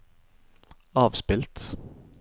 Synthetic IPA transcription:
ɑːʋspɪlt̪

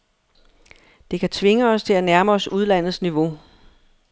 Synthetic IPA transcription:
d̥e̝kʰæt͡sʰʋe̝ŋəɒ̽st͡sʰe̝lænæɐmɐːsuð̞ˠlæn̰ð̞̩ˠsniʋo̝

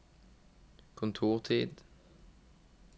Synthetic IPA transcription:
kʰʊnt̪ʰuːʁt̪ʰiːd̪

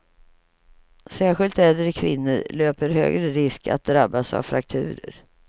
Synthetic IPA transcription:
sæːɧɪlt̪ɛd̪əɾkʰvɪnːəɾløːpəɾɦø̰ːɡɾəɾɪskʰa̰t̪̚d̪ɾabːasa̰vfɾak̚t̪ʰʉ̟ːɾə̰ɾ

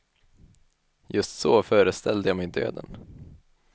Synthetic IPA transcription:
jɵst̪soːfœːɾəst̪ʰɛld̪əjɑːmɛjd̪ø̰ːd̪ə̰n

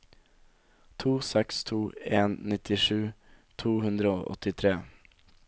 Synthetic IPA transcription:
t̪ʰuːsɛkst̪ʰuːeːnnɪt̪ʰɪʂʉː | t̪ʰuːhʉnd̪ɾəo̰ːʔɔ̰t̪ɪt̪ʰɾeː

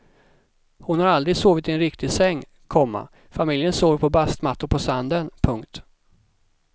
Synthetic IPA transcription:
hʊnhaɾald̪ɾɪɡsoːvɪt̪ɛnɾɪkt̪ɪsɛŋː | kʰɔmːa̰ | famɪljənsoːvəɾpʰɔbast̪mat̪ːʊpʰɔsand̪ənpʰɵŋkt̪

